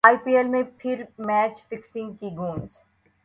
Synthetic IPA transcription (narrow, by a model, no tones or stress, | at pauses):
aːipiːelmẽpʰɪɾmɛːt͡ʃfɪksɪ̃ŋɡ̚kiɡũːmz